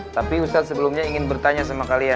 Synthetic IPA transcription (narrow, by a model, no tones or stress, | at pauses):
t̪apiust̪at̪̚səbəlumɲaiŋɪnbərt̪aɲasamakalija